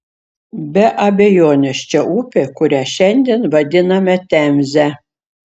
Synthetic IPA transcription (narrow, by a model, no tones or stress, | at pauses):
bʲɛʔɐbʲejoːnʲɛʃt͡ʃɛʔupʲekʊɾʲæːʃɛnʲd̪ʲɛnvɐd̪ʲɪnɐmʲɛt̪ʲæmʲzʲɛ